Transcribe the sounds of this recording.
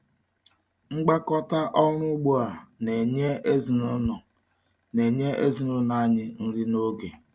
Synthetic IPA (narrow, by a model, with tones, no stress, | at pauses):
ŋ͡m̩˦ɡ͡ba˦kɔ˦ta˦ʔɔ˦ɾʊ˦ɡ͡bu˦a˨ne˨ɲe˦e˦zi˨nʊ˦nɔ˨ | ne˨ɲe˦ʔe˦zi˨nʊ˦na˦ɲɪ˦n̩˦ɾɪ˦no˦ɡe˨